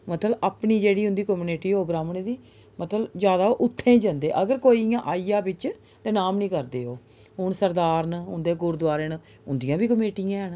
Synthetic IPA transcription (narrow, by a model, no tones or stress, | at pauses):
mət̪ləbapniːd͡ʒeːɽiːɦʊnd̪iːkəmuːneʈiːɦoːbɾaːmənid̪iː | mət̪ləbd͡ʒjaːd̪aːoːʔʊt̪ʰːẽːd͡ʒə̃nd̪ḛːʔəɡəɾkoːiːjãːʔaːijaːbɪt͡ʃ | t̪eːnaːmnĩːkəɾd̪eːɦoː | ɦʊɳsəɾd̪aːɾnɦʊnd̪eːɡʊɾd̪ʋaːɾeːn | ʊnd̪ijãːbiːkəmeːʈijãːɦən